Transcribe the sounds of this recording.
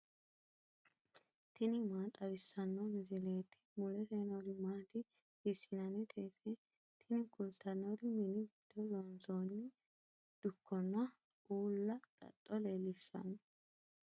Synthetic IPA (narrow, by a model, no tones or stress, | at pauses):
t̪ɪnɪmaːt̪ʼɐβɪsːɐnːomɪzɪleːt̪ːɪ̥mʊlɛteːnɔɾɪmaːt̪ɪ | hɪsɪnɐnɛt̪ʰeːsɛ | t̪ʰɪnɪkʊlt̪ɐnːoɾɪmɪnɪɡɪd̪̥ɔlɔnt͡soːnːɪ | d̪̥ʊkʰːɔnːɐ | ʔuːlːɐt̪ʼɐ̰t̪ʼːɔleːlːɪʃːɐ̰n